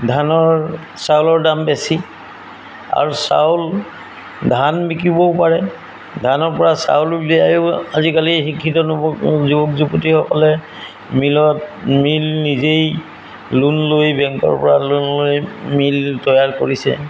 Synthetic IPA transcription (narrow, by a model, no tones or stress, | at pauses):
dʱanɔɹ | sawlɔɹdambesi | a̰ɹusa̰wl | dʱanbikibɔpaɹɛ | dʱanɔɹpɔɹasa̰wlbijajoazikalixikʰːitɔnɔzubɔkzuputixɔkɔlɛ | milɔt̚milnizej | lunlojbɛŋkɔ̰ɹpɔɹalunlojmiltɔjaɹkoɹisɛ̰